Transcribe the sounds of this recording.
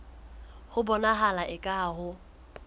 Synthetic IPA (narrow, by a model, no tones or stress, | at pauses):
hʊbɔnaɦalaʔɪkʼaɦʊ